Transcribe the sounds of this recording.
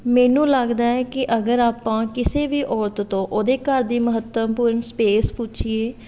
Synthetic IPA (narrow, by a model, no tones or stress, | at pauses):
mɛːnũːləɡd̪aːɛːkɪʔəɡəɾaːpãːkɪseːʋiːʔɔːɾt̪t̪õːʔoːd̪eːkəɾd̪iːməɦət̪əmpuːɾənspeːspuːt͡ʃʰieː